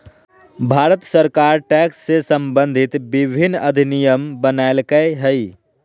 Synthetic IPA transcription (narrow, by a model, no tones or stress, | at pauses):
bʱaːɾət̪səɾkaːɾʈɛːksːesə̃mbə̃nd̪ʱɪt̪bɪbʱɪnːɐd̪ʱinijəmbənaelkəɦəi